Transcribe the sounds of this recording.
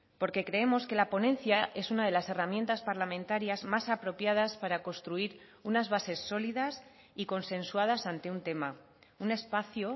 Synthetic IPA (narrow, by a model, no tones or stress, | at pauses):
po̞ɾke̞kɾe̞e̞mo̞ske̞lapo̞nẽ̞nθjaʔe̞sunað̞e̞lase̞ramje̞nt̪aspaɾlamẽ̞nt̪aɾjazmasapɾo̞pjað̞aspaɾako̞st̪ɾuiɾ | unazβase̞sːo̞liðas | iko̞nsẽ̞nsuað̞asant̪e̞unt̪e̞ma | une̞spaθjo